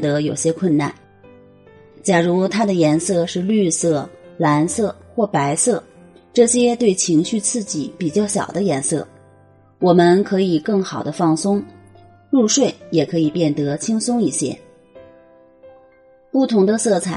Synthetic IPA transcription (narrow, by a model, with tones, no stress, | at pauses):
t̪ɤ˧˥jo˨˩ʊɕjɛ˥kʰwə˥˧nna̰˥˩n | t͡ɕja˨˩ɻu˧˥t̪ʰa˥d̪ə˨jɛ˧˥nsɤ˥˧ʂɻ̩˥˧ly˥˧sɤ˥˩la˧˥nsɤ˥˧xwɔ˥˩pa˧˥ɪsɤ˥˩ | ʈ͡ʂɤ˥˩ɕjɛ˥t̪we˥˩ɪt͡ɕʰi˧˥ŋɕy˥˧t͡sʰɹ̩˥˩t͡ɕi˨˩˦pi˨˩t͡ɕjɑ˥˩ʊɕjɑ̰˨˩ʊd̪ə˦jɛ˧˥nsɤ̰˥˩ | wɔ˨˩mə˧nkʰɤ˧˥i˨˩kɤ˥˩ŋxɑ˨˩ʊd̪ə˦fɑ˥˩ŋsʊ˥ŋ | ɻu˥˧ʂwe˥˩ɪjɛ˨˩kʰɤ˧˥i˨˩pjɛ˥˩nt̪ɤ˧˥t͡ɕʰi˥ŋsʊ˥ŋi˥˩ɕjɛ̰˥ | pu˥˩t̪ʰʊ˧˥ŋd̪ə˧sɤ˥˩t͡sʰa˨˩